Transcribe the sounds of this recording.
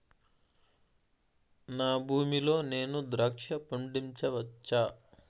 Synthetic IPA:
naːbʱuːmilo̞ːne̞ːnud̪ɾɐkʂɐpɐɳɖiɲt͡ʃɐʋɐt͡ʃːaː

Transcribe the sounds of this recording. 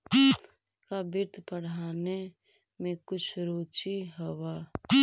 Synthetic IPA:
kabɪɾt̪ʰpəɽ̤aːne | mẽkʊt͡ʃʰɾoːt͡ʃiɦəwa

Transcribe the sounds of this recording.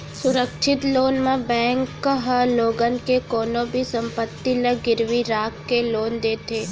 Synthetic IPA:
sʊɾəkʃɪt̪loːnmẽbɛ̃ːŋkɦloːɡənkekoːnõbʱisə̃mpət̪ːiləɡɪɾʋiɾaːkːeloːnd̪eːt̪ʰeː

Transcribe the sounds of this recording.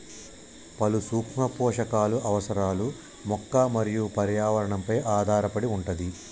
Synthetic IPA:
pɐlusuːkmɐpɔːʂɐkaːluʔɐʋɐsɐɾaːlu | mɔkːɐmɐɾijupɐɾjaːʋɐɾɐɳɐmpɐjʔaːd̪ʱaːɾɐpɐɽiuɳʈɐd̪i

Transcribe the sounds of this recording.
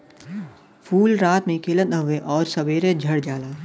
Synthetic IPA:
pʰuːlɾaːt̪mẽkeːlə̃nəɦʋeʔɔːɾsɐbeːɾed͡ʒʱɐɽd͡ʒaːlaː

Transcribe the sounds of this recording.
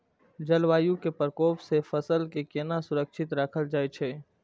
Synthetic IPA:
d͡ʒɐlʋaːjũkepəɾkoːpsefɐsəlkekeːnasʊɾəkʃʰɪt̪ɾakʰəld͡ʒaːet͡ʃʰeː

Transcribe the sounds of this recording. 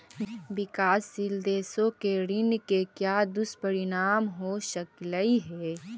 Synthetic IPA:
bɪkaːsːɪld̪eːsõkeɾɪnkekjaːd̪ʊspəɾɪnaːmɦoːʃəkləiɦɛː

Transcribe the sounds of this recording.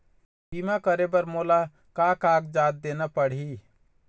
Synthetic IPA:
bimakəɾebəɾmoːla | kaːkaːɡd͡ʒaːt̪̚d̪enapəɽ̤i

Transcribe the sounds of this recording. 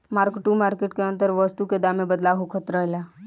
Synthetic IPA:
maːɾkʈːumaɾkeʈkeənt̪əɾʋəst̪uked̪amẽbəd̪laɦukʰət̪ɾəɦla

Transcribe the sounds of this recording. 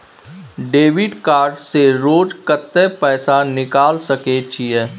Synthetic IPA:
ɖeːʋɪɖkaːɾɖseɾoːd͡ʒkət̪ːɛpɛːsanɪkaːlsɐkeːt͡ʃiɦɛː

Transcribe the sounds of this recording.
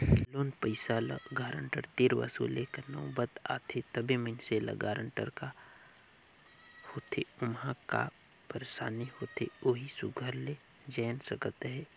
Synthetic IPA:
loːnpəɪsaːlə̰ɡaːɾəɳʈəɾt̪iɾʋɐ̰sṵːlekənɐwbət̪a̰ːt̪ʰet̪ɐbʱimənselə̰ɡaːɾəɳʈə̰ɾka | hoːt̪ʰeʊmɦãka̰ | pəɾsaːniɦoːt̪ʰeoːɦisʊɡʱəɾle | d͡ʒɛːnsəkət̪ɦɛː

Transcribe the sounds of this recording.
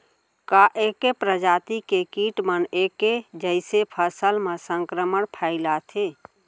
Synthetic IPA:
kaʔekepɾəd͡ʒaːt̪ikekiʈməneked͡ʒəɪsepʰəsəlmẽsə̃ŋkɾəməɳpʰaɪlat̪ʰe

